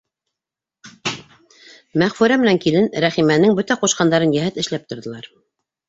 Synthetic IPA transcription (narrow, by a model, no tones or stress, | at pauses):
mæʁfʉɾæmɘ̆næŋkilɘnɾæχimænɘŋbɵt̪æquʃqɑnd̪ɑɾɤnjæɦæt̪ɘ̆ʃlæp̚t̪ŏɾðɤ̆lˠɑɾ